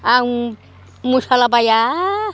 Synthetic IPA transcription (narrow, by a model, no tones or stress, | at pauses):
aw | musalapaja